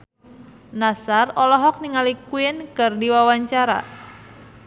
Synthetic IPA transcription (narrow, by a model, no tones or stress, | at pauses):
nasarɔlɔɦɔk̚niŋalikuɪnkɨrdiwawaɲt͡ʃaɾa̰